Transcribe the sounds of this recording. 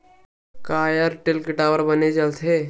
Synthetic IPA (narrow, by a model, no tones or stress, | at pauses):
kajəɾʈelkiʈaʋəɾbəned͡ʑalt̪ʰe